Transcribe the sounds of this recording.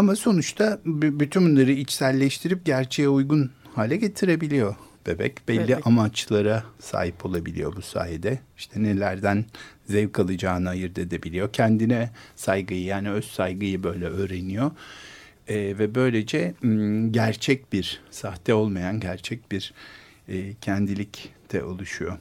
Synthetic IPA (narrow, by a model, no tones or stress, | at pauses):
amaso̞nut͡ʃt̪ʰabbyt̪ʰynbunlˠaɾɯit͡ʃsælʲːɛʃt̪ʰiɾip̚ɟæɾt͡ʃʰejɛujɡunhaːlʲɛɟe̞t̪ʰiɾe̞bilʲijo̞b̥ebɛ̰cb̥ɛlʲːiʔamat͡ʃlˠaɾasa̰ːɦipʰo̞lˠabilʲḭjo̞busa̰ːjɛd̪ɛiʃt̪ʰɛnelʲæɾd̪ænzɛvkʰalˠɯd͡ʒaːnɯajɯɾd̪ed̪ebilʲijo̞cʰɛnd̪inɛsajɡɯjɯjaːniøzsajɡɯjɯbø̞jlʲɛøːɾe̞nijo | vɛbø̞jlʲe̞d͡ʒɛɟæɾt͡ʃʰɛc̚biɾsaht̪ʰɛo̞lˠmajanɟæɾt͡ʃʰɛc̚biɾː | cʰænd̪ilʲict̪ʰɛ̰ʔo̞lˠuʃujo